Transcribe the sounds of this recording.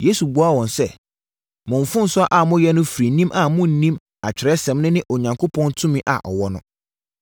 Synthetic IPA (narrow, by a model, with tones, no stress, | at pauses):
je˦su˨bu˦a˦˨wɔ̃˨nsɛ˦ | mʊ̃˨ɱ˨fʊ̃˦n̩˨sʊ˦a˦ʔa˨mʊ̃˦jɛ˦nʊ̃˦fi˨ɾi˨nĩ˦mʔa˨mʊ̃˦n̩˨nĩ˦m | a˨t͡ɕᶣɪ˨ɾɛ˦sɛ̃˨˦mnʊ̃˦nɪ̃˦ʔo˨ɲã˨ŋkʰo˦pʰɔ̃˦ntʰʊ̃˦mĩ˦ʔa̰˨ʔɔ̰˨wɔ˦nʊ̃˨